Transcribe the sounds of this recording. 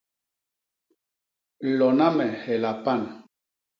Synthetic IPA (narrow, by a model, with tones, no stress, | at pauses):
lɔ˨na˦mɛ˨hɛ˨la˨pa˦˨n˨